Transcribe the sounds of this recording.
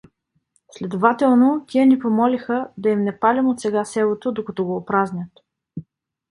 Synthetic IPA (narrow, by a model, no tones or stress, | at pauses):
slɛd̪ovat̪ɛlˠnot̪ʲiənipomɔlixəd̪ɐimnɛpalʲimot̪sɛɡasɛlˠot̪od̪okɐt̪ɔɡoːpɾaznʲət̪